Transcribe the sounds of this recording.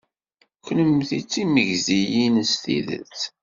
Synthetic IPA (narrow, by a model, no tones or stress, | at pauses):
kʷləmθit͡sːiməʝzijinəsθḭðə̰t͡sː